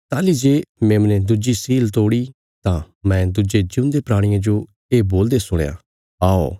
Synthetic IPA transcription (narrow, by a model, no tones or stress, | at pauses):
t̪aːlid͡ʒeːmeːmnẽd̪ʊd͡ʒisiːlt̪oːɽi | t̪ã | mɛ̃d̪ʊd͡ʒed͡ʒʊ̃nd̪epɾaːɽ̃ɪjãd͡ʒo | eːboːld̪esʊɽ̃ja̰ | aːo